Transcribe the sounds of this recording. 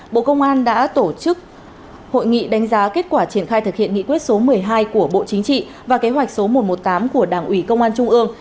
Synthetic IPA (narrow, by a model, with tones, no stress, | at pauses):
ɓo̰˧˨kə˧wŋ͡mʔaː˧nɗa̰ː˧˥t̪o˧˩t͡ɕɨ˦˥k̚ | ho̰˧˨jŋḭ˧˨ɗa˨˦ŋ̟zaː˨˦ke˦˥t̚kwaː˧˩t͡ɕi˧˩ənxaː˧jt̪ʰɨ˨˩k̚hḭ˧˨əŋḭ˧˨kwi˦˥t̚so˨˦mɨ˨˩əjɦaː˧jku˧˩əɓo̰˧˨t͡ɕï˨˦ŋ̟t͡ɕḭ˧˨ | vaː˨˩ke˨˦ɦwa˨˩jk̟̚so˨˦mo˨˩t̚mo˨˩t̚t̪aː˨˦mku˧˩əɗaː˧˩ŋʔwi˧˩kə˧wŋ͡mʔaː˧nt͡ɕʊ˧ŋ͡mʔɨ˧əŋ